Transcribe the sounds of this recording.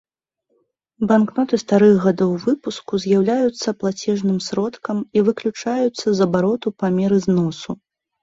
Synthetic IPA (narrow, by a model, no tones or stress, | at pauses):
banknɔt̪ɨst̪aɾɨɣɣad̪ɔwvɨpuskuzʲjawlʲajut̪sːɐplˠat͡sʲɛʐnɨmsɾɔt̪kɐmivɨklʲut͡ʂajut̪sːɐzɐbaɾɔt̪upamʲɛɾɨznɔsu